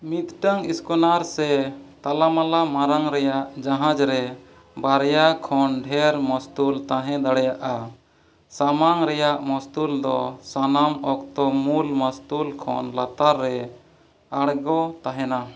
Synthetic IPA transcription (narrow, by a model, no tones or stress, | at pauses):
mit̪ʈəŋiskɔnaɾsɛt̪alamalamaɾaŋɾɛjaʔd͡ʒaɦãd͡ʒɾɛ | baɾjakʰɔnɖʱɛɾmɔst̪ult̪aɦɛ̃d̪aɽɛjaʔa | samaŋɾɛjaʔmɔst̪uld̪ɔsanamɔkt̪ɔmulmɔst̪ulkʰɔ̰nlat̪aɾːɛ | aɽɡɔt̪aɦɛna